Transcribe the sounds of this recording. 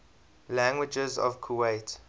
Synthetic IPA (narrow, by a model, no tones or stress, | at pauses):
læ̃ŋɡwɪd͡ʒəzɔ̰v̥kʰuweɪt